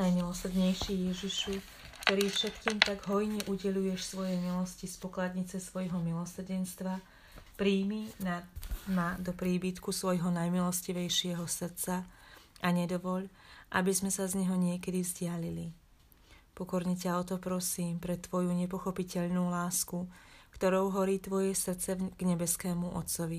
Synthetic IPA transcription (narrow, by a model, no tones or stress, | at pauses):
najmilɔsr̩d̪ɲɛjʃijɛʒiʃu | kt̪ɔɾiːfʃɛt̪kiːmt̪aɡɦɔjɲɛʔuɟɛʎujɛʃsʋɔjɛmilɔscispɔklad̪ɲit͡sɛsʋɔjɦɔmilɔsr̩ɟɛnst̪ʋa | pɾiːminamad̪ɔpɾiːbit̪kusʋɔjɦɔnajmilɔsciʋɛjʃɪɛɦɔsr̩t̪t͡saʔaɲɛd̪ɔʋɔʎʔabizmɛsazɲɛɦɔɲɪɛkɛd̪ivzɟɪalili | pɔkɔɾɲɛcaɔt̪ɔpɾɔsiːmpɾɛt̪ʋɔjuɲɛp̬ɔxɔpicɛʎnuːlaːskukt̪ɔɾɔʊɦɔɾiːt̪ʋɔjɛsrt͡sɛɡ̥ɲɛbɛskɛːmuʔɔ̰t̪sɔʋi